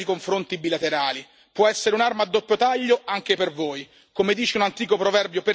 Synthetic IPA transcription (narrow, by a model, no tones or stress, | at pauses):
ikoɱfɾont̪ibilat̪eɾaːli | pwɔɛsːeɾeunarmad̪ːopːjot̪aʎːoaŋk̟epervoːj | komed̪iːt͡ʃeunant̪iːkopɾovɛrbjope